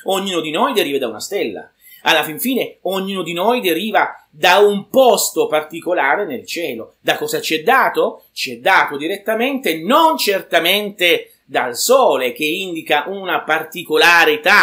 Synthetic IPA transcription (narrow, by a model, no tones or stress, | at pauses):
oɲːuːnod̪inɔjd̪eɾiːved̪auna̰st̪ɛlːa̰ | alːafiɱfiːneoɲːuːnod̪inojd̪eɾiːva | d̪aumpɔst̪opart̪ikolaːɾenelt͡ʃɛːlod̪akːɔːzat͡ʃiɛd̪ːaːt̪o | t͡ʃiɛd̪ːaːt̪od̪iɾet̪ːament̪enont͡ʃert̪ament̪e | d̪alsɔːlek̟eind̪ikaʔunapart̪ikolaːɾit̪a